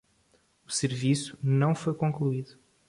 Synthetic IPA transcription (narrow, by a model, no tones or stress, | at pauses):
usɨɾvisu̥nɐ̃w̃fojkõklˠuiðu